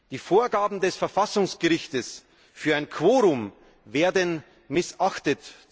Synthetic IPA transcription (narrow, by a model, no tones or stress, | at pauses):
d̥iːfoːɐɡaːbm̩dɛsfɛɐfasʊŋsɡ̥əʁɪçtəs | fyːɐaɪnkʰv̥oːʁʊm | veːɐdən | mɪsʔaxtət